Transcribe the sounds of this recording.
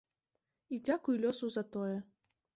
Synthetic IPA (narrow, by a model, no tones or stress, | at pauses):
id͡zʲakujlʲɔsuzɐt̪ɔjɛ